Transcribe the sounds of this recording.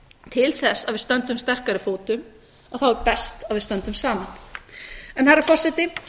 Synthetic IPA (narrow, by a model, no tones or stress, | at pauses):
t̪ʰɪlθɛsːavɪst̪œnt̪ʏmst̪ɛr̥kaɾɪfoːwt̪ʏm | aðθawɛɾpɛst̪avɪðst̪œnt̪ʏmsaːman | ɛnhaɾafɔr̥sɛt̪ɪ